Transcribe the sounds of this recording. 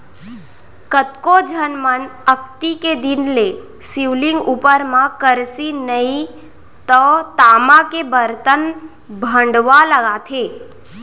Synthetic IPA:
kət̪kod͡ʒʱənmənək̚t̪iked̪inle | siʋlĩŋɡupəɾmãkəɾsinəĩ | t̪ɔt̪amãkebəɾt̪ən | bʱə̃ɳɖʋaləɡat̪ʰe

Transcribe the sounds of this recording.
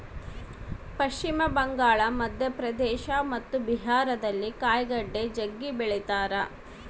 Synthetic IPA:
pɐʃt͡ʃimɐbɐŋɡaːɭɐmɐd̪jɐpɾɐd̪ɛːʃɐmɐt̪ːubiɦaːɾɐd̪ɐlːikaːjɡɐɖːed͡ʒɐɡːibɛɭɛt̪aːɾɐ

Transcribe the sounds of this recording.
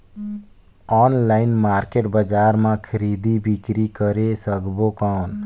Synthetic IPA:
ɔːnlaɪnmaːɾkeʈbəd͡ʒaːɾmãkʰəɾid̪ibʱikɾikəɾesəkbokãn

